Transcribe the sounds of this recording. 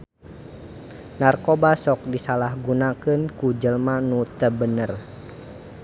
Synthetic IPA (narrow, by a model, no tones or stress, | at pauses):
narkobasɔk̚disalahɡunakɨnkud͡ʒəlmanut̪əbənər